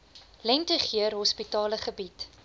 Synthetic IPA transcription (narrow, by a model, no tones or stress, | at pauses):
lɛntəχiərɦɔspitɑːləχəbit